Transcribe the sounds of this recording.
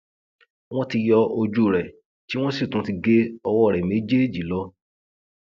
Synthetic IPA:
w̃ɔ̃˦ti˧jɔ˧o˧d͡ʒu˦˨ɾɛ˨ | ti˦w̃ɔ̃˦si˦˨tũ˨˦ti˧ɡe˦ɔ˧wɔ˦˨ɾɛ˨me˨˦d͡ʒe˦˨d͡ʒi˨˦lɔ˦

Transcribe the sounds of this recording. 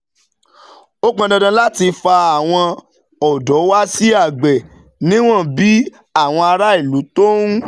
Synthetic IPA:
o˦k͡pã˧dã˧dã˧la˦ti˧fa˧a˨w̃ɔ̃˧ | ɔ˨dɔ˨˦wa˦si˦a˦˨ɡ͡bɛ˨ | nĩ˦w̃ɔ̃˦˨bi˦ | a˦˨w̃ɔ̃˧a˧ɾa˦i˦˨lu˨˦to˦nũ˦

